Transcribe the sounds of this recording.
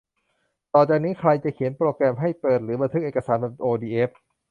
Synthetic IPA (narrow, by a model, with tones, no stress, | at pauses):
t̪ɔː˨˩t͡ɕaː˨˩k̚niː˦˥kʰɾa˧jt͡ɕa˨˩kʰi˩˦ənpɾoː˧kɾɛː˧mɦa˥˩jpɤː˨˩t̪̚ɾɯː˩˦ba˧nt̪ʰɯ˦˥kʔeː˨˩ka˧saː˩˦nba˨˧˩ʔoː˧diː˧ʔeː˦˥p̚